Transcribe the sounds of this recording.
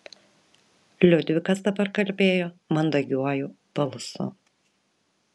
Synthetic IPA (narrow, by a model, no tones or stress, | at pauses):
lʲʊd̪ʲʋʲɪkɐsd̪ɐbɐɾkɐlʲbʲeːjomɐnd̪ɐɡʲuɔjʊb̥ɐlˠʊsʊ̰